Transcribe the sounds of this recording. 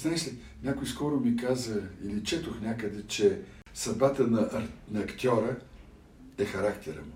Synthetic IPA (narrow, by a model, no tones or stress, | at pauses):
znaɛʃlʲi | nʲakʊjiskɔɾʊmikazəḭlit͡ʃɛt̪oxnʲakəd̪ɛt͡ʃɛ | sɐd̪bat̪ənɐnɐɐkt̪ʲɔɾə | ɛxɐɾakt̪ɛɾə̰mʊ